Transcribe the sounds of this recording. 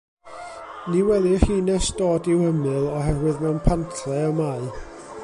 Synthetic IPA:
niwɛdiriːnɛsd̥oːdɪwəmɨlˠɔɦɛrwɨðmɛnpʰantʰrɛɔmaɨ

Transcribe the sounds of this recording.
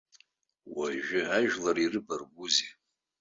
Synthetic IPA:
waʒᶣɨʕaʒᶣlarirɨbarɡʷuzi

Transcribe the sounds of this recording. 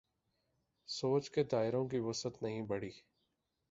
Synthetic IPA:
soːt͡ʃked̪aːɪɾõk̬iʋɐsət̪nɐɦĩbɐɽ̤iː

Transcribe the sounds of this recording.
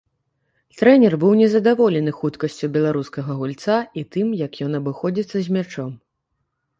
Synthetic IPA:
t̪ɾɛnʲɛrbɨwnʲɛzɐd̪avɔlʲɛn̪ɨxut̪kɐsʲt͡sʲubʲɛlˠaɾuskɐɣɐɣulʲt̪sait̪ɨmjɐkjɔnɐbɨxɔd͡zʲit̪sːɐzʲmʲat͡ʂɔm

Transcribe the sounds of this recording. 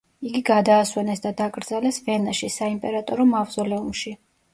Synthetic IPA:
iɡiɡad̪aːswɛnɛsd̪ad̪akʼɾd̪zalɛsvɛnaʃisaimpʼɛɾat̪ʼɔɾɔmavzɔlɛumʃi

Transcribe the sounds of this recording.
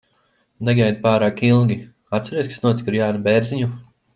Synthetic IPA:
nɛɡajd̪̚paːɾaːkilˠɡʲi | at̪sɛɾiːskḁsnuɔt̪i̥kiɾjaːnubɛɾzʲiɲu

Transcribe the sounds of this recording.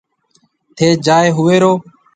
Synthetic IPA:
t̪ʰeːd͡ʒaːeːɦʊʋeːɾoː

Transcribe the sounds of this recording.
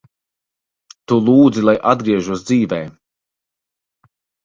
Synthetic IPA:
t̪ulˠuːd̪zilˠajʔad̪̚ɡɾiɛʒuɔsd̪ziːvɛː

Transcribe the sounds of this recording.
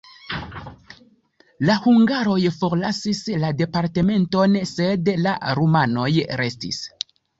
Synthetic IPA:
lahuŋɡaɾo̞jfoɾlasislade̞paɾte̞me̞nto̞nse̞dla̰ɾumano̞jɾe̞stḭs

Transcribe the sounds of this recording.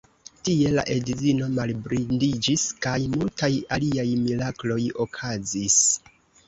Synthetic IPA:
tie̞la̰ʔe̞dzino̞malbɾindid͡ʒiskajmultajaliajmilaklo̞jo̞kʰazis

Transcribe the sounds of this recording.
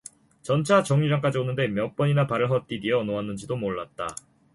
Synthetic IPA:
t͡ɕʌnt͡ɕʰat͡ɕʌŋɲid͡ʑaŋk͈ad͡ʑionɯnde̞mjʌp͈ʌɲinapaɾɯɭɦʌt̚t͈idiʌnoanːɯnd͡ʑidomoɭːat̚t͈a̰

